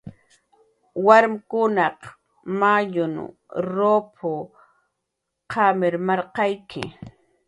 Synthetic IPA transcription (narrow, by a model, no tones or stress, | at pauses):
waɾmɪkʊnɑq | majʊn | ɾopʰʊ | qʰamɪɾmɑɾqɑjkʰɪ̰